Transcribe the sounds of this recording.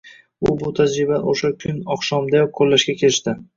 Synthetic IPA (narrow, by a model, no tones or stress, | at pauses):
ʊbʊt̪ʰad͡ʒɾɪbaoʃakʲʰʊnɒχʃɒmd̪ajɒkʰolːaʃɡʲakʲʰe̞ɾɪʃt̪ɪ